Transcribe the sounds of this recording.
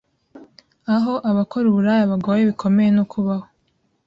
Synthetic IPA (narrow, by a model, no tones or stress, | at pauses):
aɦo̞ʔaβakʰoɾuβuɾajaβaɡoːjeβikʰo̞me̞jenokʰuβaho